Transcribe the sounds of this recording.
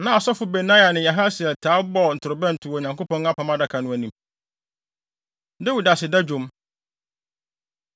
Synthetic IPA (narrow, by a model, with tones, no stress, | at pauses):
nã˨a˨sɔ˦fʊ˨be˨nã˦ja˨nɪ̃˨ja˨ɦa˦sɪ˨ɛ˨tʰaː˨˦bɔ˦˨n̩˨tʰʊ˨ɾʊ˨bɛ̃˦n̩˨tʰʊ˨wɔ˨ɲã˨ŋkʰo˦pʰɔ̃˦n˦a˦pʰã˨mã˦da˨kʰa˨nʊ̃˨˦æ˨nĩ˨m | de˦wi˨da˨sɪ˨da˦d͡ʑᶣõ˨˦m